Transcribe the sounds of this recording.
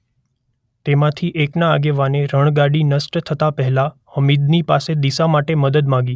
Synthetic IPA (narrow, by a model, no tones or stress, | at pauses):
t̪emãt̪ʰiʔeknaːɡeʋaneɾəɳ̃ɡaɽinəsʈt̪ʰət̪apəɦɛlahəmid̪nipased̪isamaʈeməd̪əd̪mãɡi